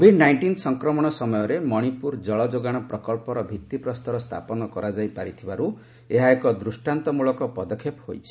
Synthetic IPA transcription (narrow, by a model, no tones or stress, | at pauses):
kɔbʱiɖnajɳʈinsɔŋkɾɔmɔɽ̃ɔsɔmɔjɔɾemɔɽ̃ipuɾd͡ʒɔɭɔd͡ʒoɡaɽ̃ɔpɾɔkɔɭpɔɾɔbʱit̪ːipɾɔst̪ɔɾɔst̪ʰa̰pɔnɔkɔɾad͡ʒajpaɾit̪ʰibaɾu | eɦaekɔd̪ɾusʈant̪ɔmuɭɔkɔpɔd̪ɔkʰːephojt͡ʃʰi̥